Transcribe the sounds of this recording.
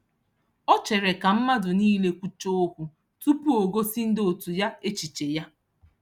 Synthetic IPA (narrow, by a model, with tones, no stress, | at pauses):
ɔ˦t͡ʃe˨ɾe˨ka˨m̩˦ma˦dʊ˨niː˦le˦kʷu˦t͡ʃo˦o˦kʷu˦ | tu˦pu˦o˨ɡo˦si˦n̩˦do˨tu˨ja˦e˦t͡ʃi˨t͡ʃe˨ja˦